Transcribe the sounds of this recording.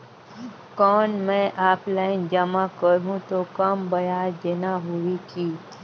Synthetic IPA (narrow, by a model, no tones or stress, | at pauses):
kɔːnmɛ̃ʔaːplaɪnd͡ʒəmãkəɾɦũt̪okəmbəjad͡ʒenaɦuʋiki